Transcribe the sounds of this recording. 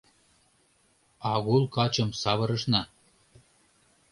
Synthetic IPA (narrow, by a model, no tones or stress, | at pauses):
ɑɣulˠkɑt͡ɕɤ̆msɑβɤ̆ɾɤ̆ʃnɑ